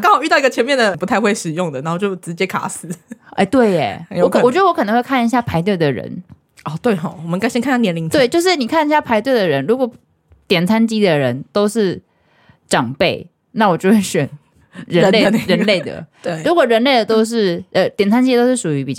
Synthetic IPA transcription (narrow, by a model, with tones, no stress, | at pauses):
kɑ˥ŋxʊy˥t̪ɑ˥˩ʊ˧i˥ɡə˨t͡ɕʰɛ˧nmjɛ˥˩nd̪ə˩pu˧t̪ʰa˥˧ɪxwe˥˩ɪʂɻ̩˨˩jʊ˥˨˩ŋd̪ə˩na˨˦˥o˥˧t͡ɕjo˥˩ʊʈ͡ʂɻ̩˧˥t͡ɕjɛ˦˥kʰa̰˨˥sɹ̩˧˥ʔe˥˩ɪt̪we˥˩ɪḛ˨˩jwɔ˦˥kwɔ˨˩t͡ɕɥɛ˧˥d̪ə˧wo˧˥kɤ˨nɤ˧˦xwe˥˧kʰa˥˩ni˧˦ɕja˥˩pʰa˧˥ɪt̪̬we˥˩ɪd̪ə˩ɻə̰˧˦n | ʔɔ˥˧t̪we˥˩ɪxɑ˨˩˦wɔ˨mə˦ŋkɪɕɛ˥nka˥˧n˩ja˥njɛ˧˦nli˧˥ŋe˥˩ɪt͡ɕjo˥˧ʊʂ̬ɻ̩˥˩ni˨˩kʰa˥˩ni˧ɕja˥˩pʰa˧˥ɪt̪we˥˩ɪd̪ə˨ɻə˧˦nɻu˧˥kwɔ˨˩ | t̪jɛ˨˩nt͡sʰa˦nt͡ɕi˥d̪ə˨ɻə˧˦nt̪o˥ʊʂɻ̩˥˩ | ʈ͡ʂɑ˨˩ŋpe˥˩ɪ | na˥˩wɔ˨˩t͡ɕjo˥˧ʊxwe˥˩ɕɥɛ˨˩n | ɻə˧˦le˥˩˧ɻə˧˦nnle˥˩ɪd̪ə̰˩˥˩ɻu˧˥kwɔ˨˩ɻə˧˥nle˥˩ɪd̪ə˩t̪o˥ʊʂ̬ɻ̩˥˩ʔə˨˩t̪jɛ˨˩nt͡sʰa˥nt͡ɕi˥t̪o˥ʊʂɻ̩˥˩ʂu˨˩y˧˥pi˨˩t͡ɕ